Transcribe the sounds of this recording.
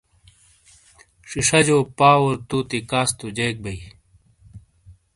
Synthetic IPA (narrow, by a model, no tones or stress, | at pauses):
ʂiʂɐd͡ʑoːpaːwoɾt̪uːt̪ikaːst̪ud͡ʑeːk̚bɐi